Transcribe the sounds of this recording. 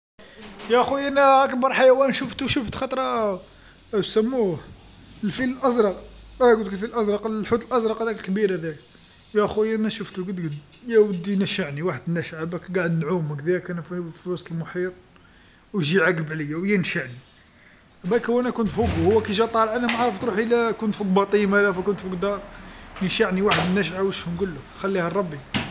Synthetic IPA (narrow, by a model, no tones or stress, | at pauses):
jæʔxujʔænæækənbɑɾˤħajæwænʃuft̪uʃuft̪xɑt̪ˤɾˤɑ | səmːu | əlfiləlʔɑzɾˤɑqæɡud̪əklfilʔæzɾˤɑqːħut̪əlʔɑzɾˤɑqæd̪ækəlkbiɾæd̪æk | jæxujænæʃəft̪uɡəd̪ɡəd̪ | jæwəd̪ːinæʃəʕniwaħəd̪næʃʕabækɡaʕəd̪nʕuməkd̪iækænfifiwɑsˤt̪əlmʊħiɾˤ | wʒiʕækbləjːawjənʃaʕni | bækwːænækʊnt̪fukhʊwːækæʒæt̪ˤːɑlʕænæmʕɾˤəft̪ɾuħilækʊnt̪fuk̚bɑt̪ˤimælæfukʊnt̪fukd̪ɑɾˤnəʃaʕniwaħəd̪ənːæʃʕawəʃhʊmɡʊlːʊkxælːihɑrˤːɑbːi